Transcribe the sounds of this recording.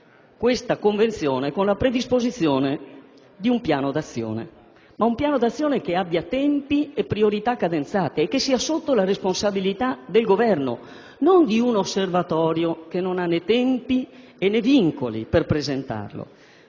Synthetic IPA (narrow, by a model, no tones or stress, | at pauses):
kwest̪akoɱvent̪sjɔːnekonlapɾed̪ispozit̪sːjɔːne | d̪iumpjaːnod̪at̪sːjɔ̰ːnḛ | maumpjaːnod̪at̪sːjɔːnekeabːjat̪ɛmpiepːɾioɾit̪akːad̪ent̪saːt̪eːkːesːiːasot̪ːolaresponsabilit̪ad̪elɡovɛrno̰ | nond̪iunosːervat̪ɔːɾjokenːonanːet̪ɛmpi | enːɛviŋkolḭperpɾezent̪a̰rlo̰